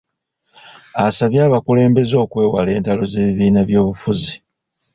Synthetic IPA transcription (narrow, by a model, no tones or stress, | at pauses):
asaβjaːβakule̞ːmbe̞zo̞ːkwe̞ːwale̞ːntalo̞ze̞ːβiβiːnaβjo̞ːβufuzi